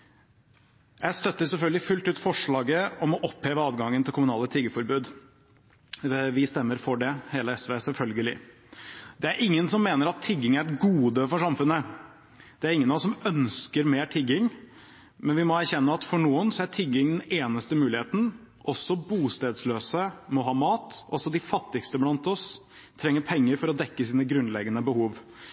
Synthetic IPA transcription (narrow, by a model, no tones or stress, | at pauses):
jæɪst̪œt̪ːəɾsɛlfœlɡəlɪfʉlt̪ʉːt̪fɔʂɭɑːɡəɔmɔʔɔpheːʋəɑːd̪ɡɑŋːənt̪ʰɪlkʰʊmʉnɑːlət̪ʰɪɡəfɔɾbʉːd̪ | ʋɪst̪ɛmːəɾfɔɖɛheːləɛsʋeːsɛlfœlɡəlɪ̰ | d̪ɛæɾʔɪŋːənsɔmːeːnəɾɑt̪ʰːɪɡːɪŋæɾɡuːd̪əfɔʂɑmfʉnːə | d̪̥ɛæɾɪŋːənɑsɔmœnskəɾmeːʈʰɪɡɪŋ | mɛnʋɪmɔæɾçɛnːəɑt̪fɔɳuːənsɔæʈʰɪɡɪŋd̪ɛneːnəst̪əmʉːlɪheːt̪n̩ | ʔɔsːɔbuːst̪eːd̪sløːsəmɔɦɑːmɑːt̪ɔsɔd̪ɪfɑt̪ːɪkst̪əblɑnt̪ɔs | t̪ʰɾɛŋːəɾpʰɛŋːəɾfɔɾɔd̪ɛkːəsiːnəɡɾʉnlɛɡənəbəhuːʋ